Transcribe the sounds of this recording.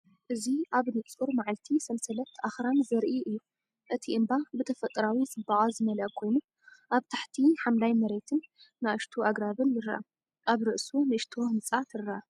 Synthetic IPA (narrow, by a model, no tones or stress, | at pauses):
ʔɨziʔaβnɨʔt͡sʼuɾmaʕalt̪ʰisɐmsɐlɐt̪ʰːʔaxɾanzɐɾʔiʔɨjːu | ʔɨt̪ʰiʔɨmbabɨt̪ʰɐfɐt̪ʼːɾawizɨbaɣʼazɨmɐlɐʔkʰo̞jnu | ʔaβt̪ʰaħt̪ʰiħamlajmɐɾe̞t̪ʰɨnːaɨʃt̪ʰoʔaɡɾaβɨnjɨɾɐʔa̰ | ʔaβɾɨʔsunɨʔɨʃt̪ʰohɨmt͡sʼat̪ʰɨrɐa